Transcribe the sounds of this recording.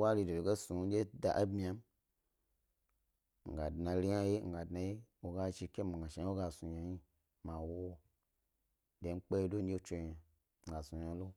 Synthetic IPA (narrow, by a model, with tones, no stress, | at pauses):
wa˦li˧do˨do˨ɡe˦su˨˦d͡ʒe˦da̰˨ʔa˦bmi˦a˧˦m | ŋ̩˨ɡa˨dna˨li˦ja˦je˦ŋ̩˨ɡa˨dna˨je˦wo˨ɡa˧ʃi˧kʲe˦m˨ɡa˨ʃe˨˦o˦ɡa˧su˨ɲa˨ji˦ | ma˨wo˦ | de˨˦ŋ͡m̩˦k͡pe˦do˦n̩˦d͡ʒe˦t͡ʃe˧ja˨ | ɡa˨su˨ja˧˦lo˦